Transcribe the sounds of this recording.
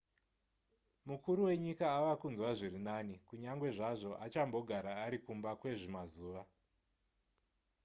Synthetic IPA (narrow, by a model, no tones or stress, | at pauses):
mukuɾuwe̞ɲikaːʋakunzwaʐirinanikuɲaŋɡwe̞ʐaʐo̞ʔat͡ʃambo̞ɡʱaɾaːɾikumbakwe̞ʐimazuːʋa